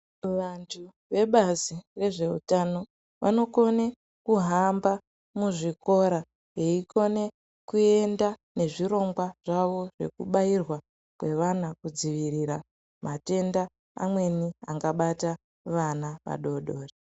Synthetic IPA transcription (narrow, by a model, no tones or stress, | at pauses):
ʋantʰu | ʋe̞ɓazire̞ʐe̞ṵtano̞ | ʋa̰no̞ko̞ne | kuɦamba | muʐiko̞ɾa | eiko̞ne̞ | kue̞ndane̞ʐiɾo̞ŋɡwaʐ̥aʋo̞ʐ̥e̞̰kuɓairwa | kwe̞ʋanakud͡ziʋirira | mate̞nda̰ː | mwe̞nia̰ŋɡaɓata | ʋanaʋa̰ɗo̞ɗo̞ːre